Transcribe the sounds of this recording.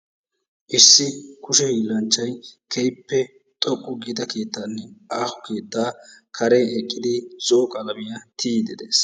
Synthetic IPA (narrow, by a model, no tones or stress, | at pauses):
ʔɪsːɪkʊʃɛhiːlːɐnt͡ʃːɐjkʰɛjpːɛ | t̪ʼɔkʼːʊɡiːd̪ɐke̞ːt̪ːaːnːɛʔaːhɔ̥ke̞ːt̪ːaːkʰɐɾɛɛkʼːɪd̪ɪzoːkʼɐlɐbɪjɐt̪ʰiːd̪ɪd̪ḛːs